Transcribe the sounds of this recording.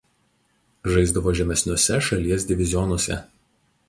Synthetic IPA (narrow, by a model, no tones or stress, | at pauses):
ʒɐɪzd̪ɐʋoːʒʲɛmʲɛsʲnʲoɔsʲɛʃɐlʲiɛs̬ʲd̪ʲɪʋʲɪzʲɪjɔnɔsʲɛ̰